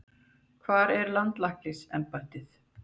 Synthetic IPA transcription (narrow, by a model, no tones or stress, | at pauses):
kʰvaːɾɛɾlant̪lahklɪsɛmpḁt̪ɪθ